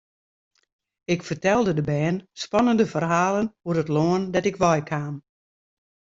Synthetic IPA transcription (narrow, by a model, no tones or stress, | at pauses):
ɪkfərtɛlˠdədəbɛːnspɑnəndəfərɦaːlənhuərətloəndɛtɪkʋɔjkʰaːm